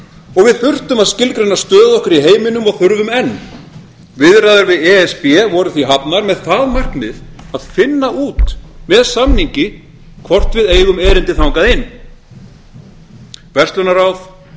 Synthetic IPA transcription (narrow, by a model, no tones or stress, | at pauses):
ɔɣvɪðθʏr̥t̪ʏmaðscɪlkɾɛnːast̪œːðɔhkʏɾiɦeːjmɪnʏmɔɣθʏɾvʏmɛnː | vɪðrajðʏɾvɪðɛɛspɛvɔɾʏθviɦapnaɾmɛðθaðmar̥knɪð | aðfɪnːaʔuːt̪mɛðsamniɲcɪ | kʰvɔr̥t̪vɪðeːjɣʏmɛːɾɪnt̪ɪθawŋkaðɪnː | vɛr̥t̪lœnaɾawθ